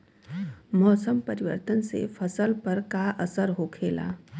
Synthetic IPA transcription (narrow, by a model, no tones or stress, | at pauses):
mɔːsəmpɐɾɪʋə̰ɾt̪ənsḛfʰɐsəlpɐɾkaʔɐsəɾɦokʰeːla̰ː